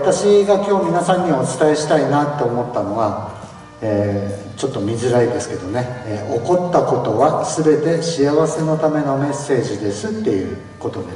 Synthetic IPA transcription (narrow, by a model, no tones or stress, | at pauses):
at̪aɕiɡakʲo̞ːmʲinasãɲ̟ːiaoːt͡sɨ̥t̪ae̞ɕi̥t̪ainat̪ːe̞omo̞t̪ːano̞βa | eː | t͡ɕo̞t̪ːo̞mʲiʑɨɾaid̪e̞sɨ̥ke̞d̪o̞ne̞o̞ko̞t̪ːako̞t̪o̞βasɨbe̞t̪e̞ɕiaβase̞no̞t̪ame̞no̞me̞sːe̞ːʑid̪e̞sɨt̪ːe̞jɯ̟̰ː | ko̞t̪o̞d̪e